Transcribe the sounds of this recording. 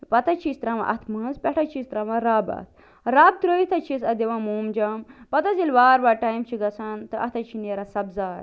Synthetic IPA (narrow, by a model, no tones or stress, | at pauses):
pɐt̪ɐt͡ʃʰist̪ɾɐʋã̰ʔɐ̰t̪ʰmɐːnzpʲɛʈʰɐt͡ʃʰiːst̪ɾɐːʋãɾaːbɐ̰ːt̪̚ʰ | ɾaːb̚t̪ɾəːit̪ʰɐt͡ʃʰisɐd̪eʋãːmuːmd͡ʒɐmpɐt̪ɐzilʋaːɾʋaːʈaːjmt͡ʃʰiɡɐsʰɐnt̪ɨʔɐ̰t̪ʰɐt͡ʃʰineɾasɐbzaːɾ